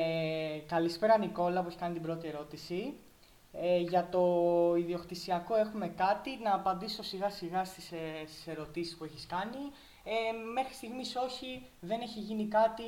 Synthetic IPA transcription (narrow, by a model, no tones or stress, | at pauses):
ekɐlispe̞ɾɐniko̞lɐpueçi̥kɐnit̪ibɾo̞t̪ie̞ɾo̞t̪isi | eʝɐt̪o̞iðio̞kt̪isiɐko̞e̞xume̞kɐt̪inɐːpɐnd̪iso̞siɣɐsiɣɐst̪i̥sest̪i̥se̞ɾo̞t̪isi̥spue̞çiskɐni | eme̞xɾi̥st̪iɣmiso̞çiðe̞ne̞çiʝinikɐt̪i